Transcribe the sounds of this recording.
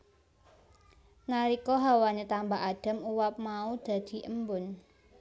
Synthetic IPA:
naɾikɔɦawaɲet̪ambaʔaɖ̥a̤muwap̚maud̪̥ä̤d̪̥i̤ʔəmbʊn

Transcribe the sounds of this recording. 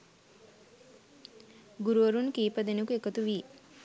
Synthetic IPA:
ɡuɾuʋəɾunkiːpəd̪enukuekət̪uʋiː

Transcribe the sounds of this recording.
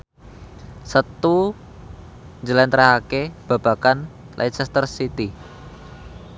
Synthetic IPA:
sət̪u | ɲd͡ʒəlant̪əɾaɦakeb̥a̤b̥a̤kan | lʔa̰it͡ʃɛst̪ərsit̪i

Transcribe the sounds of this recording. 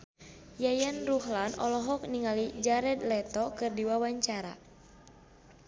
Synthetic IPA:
jajanruhlanɔ̰lɔɦɔk̚niŋalid͡ʒaɾɛd̪lɛt̪ɔkɨrdiwawaɲt͡ʃaɾa̰

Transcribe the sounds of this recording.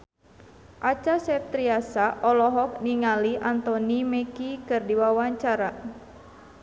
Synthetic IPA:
ʔat͡ʃasɛp̚t̪ɾiasaʔɔlɔɦɔk̚niŋaliʔant̪ɔnimɛkikɨrdiwawaɲt͡ʃaɾa

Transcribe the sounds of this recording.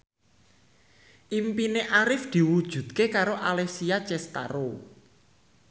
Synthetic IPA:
ʔimpineʔaɾɪfd̪̥i̤wud̥ʒ̥ṳd̪̚kekaɾoʔalɛsiat͡ʃɛst̪a̰ɾo

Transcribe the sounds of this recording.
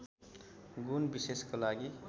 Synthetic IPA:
ɡunbiseskolaɡi

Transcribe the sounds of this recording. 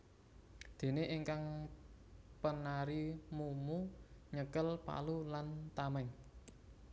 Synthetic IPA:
d̪̥e̤neʔiŋkaŋ | pənaɾimumuɲəkəlpa̰lulant̪amɛŋ

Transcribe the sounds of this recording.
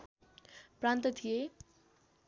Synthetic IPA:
prant̪ʌt̪ʰije

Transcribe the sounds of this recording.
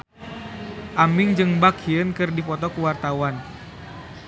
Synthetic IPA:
ʔamɪŋd͡ʒɨŋbakiənkɨrdipɔt̪ɔkuwart̪awan

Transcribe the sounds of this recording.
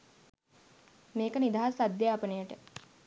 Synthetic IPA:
meːkənid̪aɦasad̪ːjeapənəjəʈə

